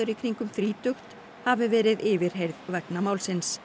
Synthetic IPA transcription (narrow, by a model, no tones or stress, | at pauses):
ʏɾɪkʰɾiŋkʏmθɾiːt̪ʏxt̪ | havɪvɛːɾɪðɪːvɪɾ̥ɦejɾðvɛknamaːwlsɪns